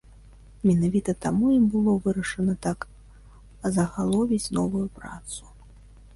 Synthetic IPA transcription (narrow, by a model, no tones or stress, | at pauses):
mʲɛnavʲit̪ɐt̪amujimbɨlˠɔvɨɾɐʂɐnɐt̪ak | zɐɣalˠɔvʲit͡sʲnɔvujupɾa̰t̪su̥